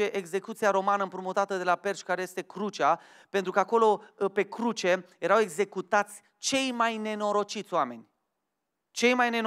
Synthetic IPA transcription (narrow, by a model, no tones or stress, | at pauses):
e̞ʔeɡze̞kut̪siaɾo̞manəɨmpɾumut̪at̪əd̪e̞lape̞rʃkaɾeje̞st̪e̞kɾut͡ʃa | pe̞nt̪ɾukəako̞lo̞pe̞kɾut͡ʃe̞je̞ɾawe̞ɡze̞kut̪at̪sʲ | t͡ʃe̞jmajne̞no̞ɾo̞t͡ʃit̪sʲoame̞nʲ | t͡ʃe̞jmajne̞n